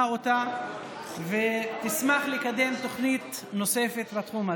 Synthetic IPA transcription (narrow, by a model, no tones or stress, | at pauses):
o̞t̪a | vet̪ismaχlekad̪e̞mt̪o̞χnit̪no̞se̞fe̞t̪lat̪χuma